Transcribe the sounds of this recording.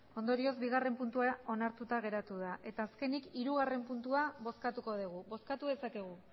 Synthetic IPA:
o̞nd̪o̞ɾio̞zbiɣ̞are̞mpunt̪uao̞naɾt̪ut̪aɣ̞e̞ɾat̪uðaʔe̞t̪aːske̞nikiɾuɣ̞are̞mpunt̪uaβo̞skat̪uko̞ð̞iɣ̞uβo̞skat̪uðe̞sakeɣ̞u

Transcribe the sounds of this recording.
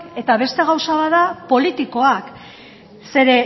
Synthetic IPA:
e̞t̪aβe̞st̪e̞ɣ̞awsaβaðapo̞lit̪iko̞ak | se̞ɾe̞

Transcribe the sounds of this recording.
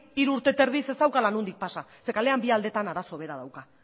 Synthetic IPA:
iɾuːɾt̪e̞t̪e̞ɾðise̞st̪awkalanund̪ik̚pasase̞kale̞ambiald̪e̞t̪anaɾaso̞βe̞ɾað̞awka

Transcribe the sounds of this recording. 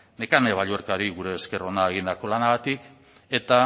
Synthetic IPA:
ne̞kaneβ̞aʎueɾkaɾiɣuɾe̞ːske̞ro̞naeɣ̞ind̪ako̞lanaɣat̪ik | e̞t̪a

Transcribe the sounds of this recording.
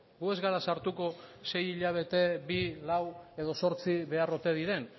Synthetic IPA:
ɡue̞zɣaɾasaɾt̪uko̞se̞jiʎaβ̞e̞t̪e̞bilawe̞ðo̞so̞ɾt͡siβe̞arot̪e̞ðiɾe̞n

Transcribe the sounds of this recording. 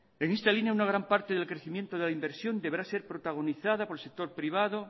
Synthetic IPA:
e̞ŋe̞st̪alinjaunaɣ̞ɾampaɾt̪eðe̞lkɾeθimje̞nt̪oðe̞laimbeɾsjo̞nd̪eβɾase̞ɾpɾot̪aɣ̞o̞niθaðapoelsek̚t̪o̞ɾpɾiβ̞aðo

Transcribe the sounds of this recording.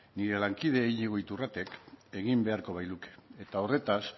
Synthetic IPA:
niɾe̞laŋkið̞e̞ːʎiɣ̞o̞jt̪urat̪e̞ke̞ɣimbe̞aɾko̞βajluke̥ːt̪ao̞re̞t̪as

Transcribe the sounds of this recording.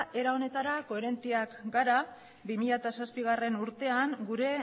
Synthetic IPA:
ʔe̞ɾao̞ne̞t̪aɾako̞eɾe̞nt̪iakɡaɾa | bimiʎat̪asaspiɣ̞are̞nuɾt̪e̞aŋɡuɾe̞

